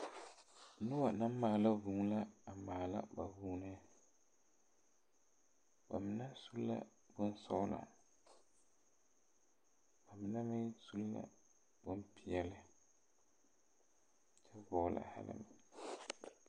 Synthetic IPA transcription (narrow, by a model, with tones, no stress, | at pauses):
nʊ˦wa˨na˦m˦mːaː˨la˦vu˨ŋ˦la˦a˨maː˨la̰˦ba˨vuː˦nɛ˦ | ba˨mɪ˨na˦su˦lla̰˦ | bʊ˦nsɔ˦na̰˨ | ba˨mɪ˨na˦mɪ˦su˦lla̰˦ | b̥ʊ˦npɪ˨ɛ˦lɪ˦ | t͡ʃɛ˦vɔ˨˦˨la̰˨ha̰˦lɪ̰˦mɪ˨